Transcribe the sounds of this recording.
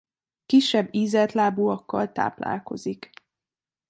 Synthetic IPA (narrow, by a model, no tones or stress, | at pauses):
kiʃːɛbːiːzɛt̪laːbuːɒkːɒlt̪a̰ːpla̰ːlko̞̰zik